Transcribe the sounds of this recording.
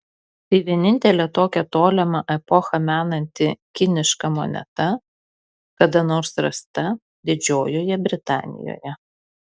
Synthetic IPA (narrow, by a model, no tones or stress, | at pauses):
t̪ɐɪʋʲiɛnʲɪnʲt̪ʲɛlʲɛt̪oːkʲɛt̪oːlʲɛmɐʔɛpɔxɐmʲæːnɐnʲt̪ʲɪkʲɪnʲɪʃkɐmɔ̰nʲɛ̰t̪ɐ | kɐd̪ɐnoːɾsɾɐst̪ɐ | d̪ʲɪd͡ʒʲoːjoːjɛbʲɾʲɪt̪ɑ̰ːnʲɪ̰jo̰ːjɛ